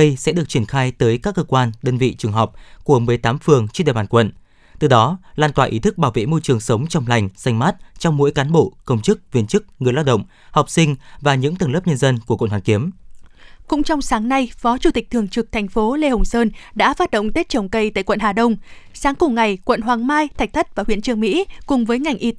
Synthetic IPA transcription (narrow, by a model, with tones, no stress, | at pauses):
ə˧jsɛ̰˧˥ɗɨ˨˩ək̚t͡ɕi˧˩ənxaː˧jt̪əː˨˦jkaː˦˥kːəː˧kwaː˧nɗəː˧nvḭ˧˨t͡ɕɨ˨˩əŋɦɔ˨˩k͡p̚ku˧˩əmɨ˨˩əjt̪aː˨˦mfɨ˨˩əŋt͡ɕi˧˥ɗa̰˧˨˩ɓaː˧˩nkwə̰˧˨n | t̪ɨ˨˩ɗɔ˨˦laː˧nt̪waː˧˩ʔi˨˦t̪ʰɨ˦˥k̚ɓaː˧˩wvḛ˧˨mo˧jt͡ɕɨ˨˩əŋsə˨˦wŋ͡mt͡ɕɔ˧wŋ͡mla˨˩jŋ̟sa˧jŋ̟maː˦˥t̚t͡ɕɔ˧wŋ͡mmo̰˧˥jkaː˨˦nɓo̰˧˨kə˧wŋ͡mt͡ɕɨ˦˥k̚vi˧ənt͡ɕɨ˦˥k̚ŋɨ˨˩əjlaː˧˥wɗə̰˧˨ŋ͡m | hɔ˨˩k͡p̚sï˧ŋ̟vaː˨˩ɲɨ̰˧˥ŋt̪ə˨˩ŋləː˦˥p̚ɲə˧nzə˧nku˧˩kwə̰˧˨nhwaː˨˩ŋki˨˦əm | kʊ̰˧˥ŋ͡mt͡ɕɔ˧wŋ͡msaː˨˦ŋna˧jfɔ˨˦t͡ɕu˧˩t̪i˨˩k̚t̪ɨ˨˩əŋt͡ɕɨ˨˩k̚t̪ʰɛ˨˩jŋ̟fo˨˦le˧hə˨˩wŋ͡msəː˧nɗa̰ː˧˥faː˦˥t̚ɗə̰˧˨ŋ͡mt̪e˦˥t̚t͡ɕə˨˩wŋ͡mkə˧jt̪a̰ː˧˨jkwə̰˧˨nɦaː˨˩ɗə˧wŋ͡m | saː˨˦ŋkʊ˨˧˩ŋ͡mŋa˨˩jkwə̰˧˨nɦwaː˨˩ŋmaː˧jt̪ʰa˨˩jk̚t̪ʰə˦˥t̚v̥aː˨˩wi˧˨t͡ɕɨ˧əŋmḭ˧˥kʊ˨˩ŋ͡mvəː˨˦jŋa˨˩jŋ̟ʔi˧